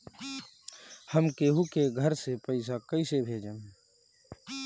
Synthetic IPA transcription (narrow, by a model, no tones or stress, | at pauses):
həmkeːɦukeɡʱəɾsepəɪs̬akəɪsebʱeːd͡ʒən